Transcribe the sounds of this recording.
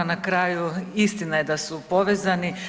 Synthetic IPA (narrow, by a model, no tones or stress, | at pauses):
nakɾaːjuist̪inaje̞d̪asupo̞ʋe̞ːzani